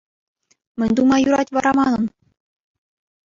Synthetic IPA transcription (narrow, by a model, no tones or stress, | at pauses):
mʲɘ̆nʲd̪umɑjuɾɑtʲʋɑɾɑmɑnɤ̆n